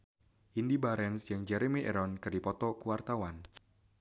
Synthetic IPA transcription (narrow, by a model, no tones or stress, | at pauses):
ʔindibaɾɛnsjaŋd͡ʒɛɾemiʔɛ̰ɾɔnkɨrdipɔt̪ɔkuwart̪awan